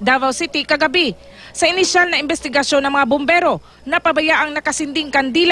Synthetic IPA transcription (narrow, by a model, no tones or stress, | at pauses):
d̪aːvɐwsit̪ɪkɐɡɐbi | sɐʔɪnɪʃalnɐʔɪmbɛst̪ɪɡɐʃonːɐŋmɐŋabombɛɾo̞ | nɐpɐbɐjaʔɐŋnɐkɐsɪnd̪ɪŋkɐnd̪iːl